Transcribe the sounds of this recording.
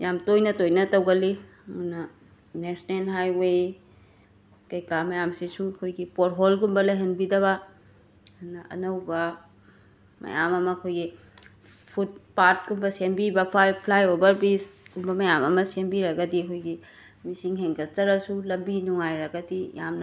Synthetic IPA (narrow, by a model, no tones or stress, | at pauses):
jamtojnɐtojnɐtɐwɡɐli | munɐ | nesnelɦajwej | kɐjkamɐjamsisuɐkʰojɡipoɾɦolɡumbɐlɐjɦɐnbidɐβɐ | unɐʔɐ̰nɐwbɐ | mɐ̰jamɐmɐːkʰojɡi | pʰut̚paɾt̚kumbɐsembibɐpʰajpʰlajobɐɾbisɡumbɐmɐjamɐmɐsembiɾɐɡɐdiɐkʰojɡi | misiŋɦeŋkɐt͡ʃɐɾɐsulɐmbinuŋajɾɐɡɐdija̰mnɐ